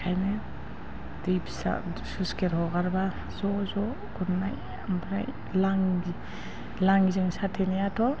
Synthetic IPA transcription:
kʰajnɯ | dipsa̰suskeɾhɔɡaɾba | z̥ɔzɔ | ɡunːaj | ambɾa̰j | laŋ | laŋzɯŋsatʰenijatʰɔ

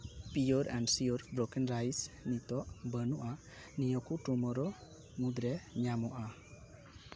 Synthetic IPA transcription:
pijɔɾɛnsiɔɾbɾɔkɛnɾajsnitɔʔbənuʔa | nijɔkʰutumɔɾɔ | ŋud̪ɾeɲamɔʔa

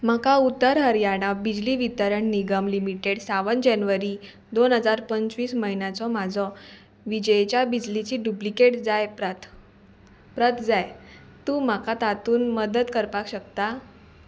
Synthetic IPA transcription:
m̤akaut̪ːəɾɦəɾjaɽ̃abid͡ʑliʋit̪əɾəɳniɡəmlimiʈeɽsaʋənd͡ʑɛnʋəɾi | d̪onɦəd͡zaɾpəɲt͡sʋiːsməɦinat͡sɔmad͡zʱɔ | ʋid͡ʑəet͡ɕjabid͡ʑlit͡ɕiːɖuplikeʈd͡zajpət̪ | pɾət̪ʰd͡zajt̪ũːmakat̪at̪uːnməd̪əd̪kəɾpakɕəkt̪a

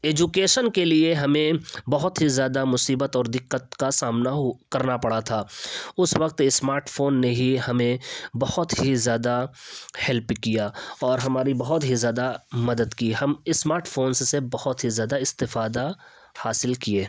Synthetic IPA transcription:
eːd͡ʒukeːʃənkelieɦɐmẽbɐɦʊt̪ɦizjaːd̪amʊsiːbət̪ɔːɾd̪ɪqːət̪̚kasaːmnakɐɾnapɐɽat̪ʰaːʊswɐq̚t̪ɪsmaːɾʈfʰoːnːeɦihɐmẽbɐhʊt̪ɦizjaːd̪ahɛlpkijaːɔːɾɦɐmaːɾibɐɦʊt̪ɦizjaːd̪amɐd̪əd̪kiːɦɐmɪsmaːɾʈfoːnsːebɐhʊt̪ɦizjaːd̪aɪst̪ɪfaːd̪a | haːsɪlkieː

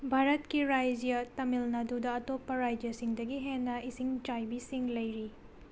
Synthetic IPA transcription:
bʱaɾɐtkiɾajd͡ʒjɐtɐmilnɐdudɐːtopːɐɾajd͡ʒjɐsiŋdɐɡiɦenːɐisiŋt͡ʃajbisiŋlɐjɾi

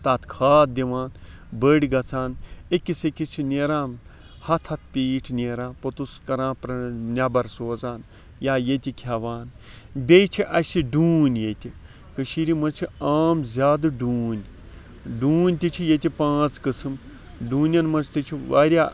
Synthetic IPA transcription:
t̪at̪ʰkʰaːt̪̚d̪iʋaːn | bəːɽʲiɡɐt͡sʰaːnekʲːisekʲit͡ʃʰinʲeːɾãːn | hɐt̪ʰɐt̪̚ʰpʲiːʈʰnʲeːɾãːnpɐt̪uskɐɾãːpɾɐnʲɐbɐɾsoːzaːn | jaːjet̪ʲikʲʰaʋaːn | bʲejt͡ʃʰiʔɐsʲiɖuːnʲjet̪ʲi | kəʃiɾimɐnt͡ʃʰiaːmzʲaːd̪ɨɖuːnʲ | ɖuːnʲt̪it͡ʃʰijet̪ʲipãːt͡skɨsɨm | ɖuːnʲɐnmɐnt͡ʃʰt̪it͡ʃʰiʋa̰ːɾʲjaː

